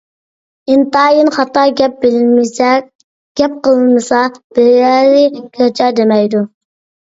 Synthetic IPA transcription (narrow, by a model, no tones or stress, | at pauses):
ɪnt̪ɑːjɨnχɑt̪ɑɡʲɛp̚bɪlmɪsɛ | ɡ̥ʲɛp̚qʰəlˠɨmɨsɑb̥ɪɾjæɾɪkʲʰøt͡ʃʰɑd̪emɛjd̪u